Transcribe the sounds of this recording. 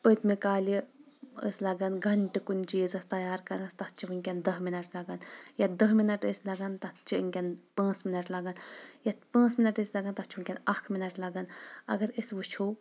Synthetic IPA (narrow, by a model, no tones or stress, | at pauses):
pət̪ʰmikaːli | ə̰slɐɡɐnɡɐɳʈikunʲt͡ʃiːzɐst̪ɐjaːɾkɐɾnɐst̪ɐtt͡ʃʰiʋɨnʲkʲɐnd̪ɐɦminɐʈlɐɡɐnjad̪ɐɦminɐʈəsʲlɐɡɐnt̪ɐt͡ʃʰḭŋʲkʲɐnpãːt͡sminɐʈlɐɡɐnjɐpãːt͡sminɐʈəsʲlɐɡɐnt̪ɐt͡ʃʰiʋnʲkʲɐnɐkʰminɐʈlɐɡɐnɐ̰ɡɐɾisʋut͡ʃʰo